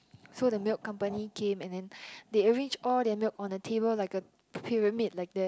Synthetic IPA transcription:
sodəmilkʰːãmpənikʰẽmɛ̃ndɛ̃ndeəɹẽnd͡ʒɔldɛmilkɔ̃ndətʰebəllaɪkə | pʰiɹəmit̚laɪk̚dɛ

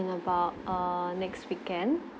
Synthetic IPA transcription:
ə̃nəbaʊt̚ʌnɛkstwikɛ̃nd

